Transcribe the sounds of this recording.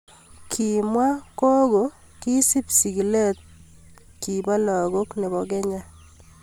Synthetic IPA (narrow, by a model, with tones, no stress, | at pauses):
kʰi˨mwa˦ko˦ɡo˨ | ki˦si˦psi˨ɡi˨le˦t̪̚ | ki˨ba˦lɔ˨ɡo˦kne˨bɔ˨ɡɛ˦ɲa˦